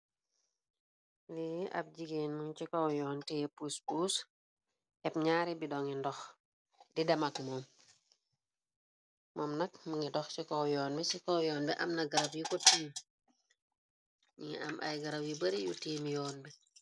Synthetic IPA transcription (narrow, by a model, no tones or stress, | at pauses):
liʔɐ̰p̚ɟiɡeːnmuŋt͡ʃikɔwjɔːntɛpuspuːs | ʔɛpɲaːɾibidɔŋindɔx | didɐmakmɔm | mɔmnɐkməŋɡidɔxcikɔwjɔːnbisikɔwjɔːnbɛʔɐmnɐɡɐɾɐbjikɔtiːm | ɲiŋ̰ɐ̰mʔɐ̰jɡɐɾɐpjibɐɾijṵtiːmjɔːnbi